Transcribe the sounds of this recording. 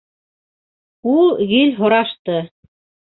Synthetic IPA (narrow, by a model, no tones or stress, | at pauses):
ulˠɣilʲɦŏɾɑʃt̪ɤ